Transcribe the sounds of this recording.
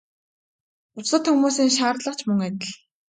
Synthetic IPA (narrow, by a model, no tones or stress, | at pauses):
ʊsə̆t̪xɵmuːsiːŋʃaːrɮə̆qt͡ɕʰmɵŋæt̪ə̆ɮ